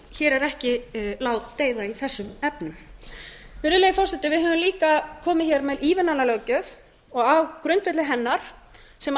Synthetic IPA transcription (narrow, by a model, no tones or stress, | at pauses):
çɛːɾɛɾɛhcɪlaːwt̪ːeːjðaiθɛsːʏmɛpnʏm | vɪɾðɪlejɪfɔɾ̥sɛt̪ːɪvɪðɦœːvʏmliːkakʰɔːmɪçɛɾmɛliːvɪnanalœɣcœf | ɔɣawkɾʏnt̪vɛt̪lɪɦɛnːaɾ̥sɛm